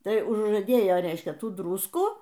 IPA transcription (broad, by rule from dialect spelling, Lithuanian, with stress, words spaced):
ˈtɐɪ ʊʒʒɐˈdʲeːjoː ˈrʲɛɪʃʲkʲɛ ˈtuː ˈdrʊskuː